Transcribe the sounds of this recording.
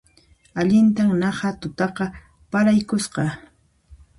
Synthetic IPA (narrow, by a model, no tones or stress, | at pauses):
aʎɪnt̪aŋnɑhat̪ʊt̪ɑqɑ | paɾajkʊsqɑ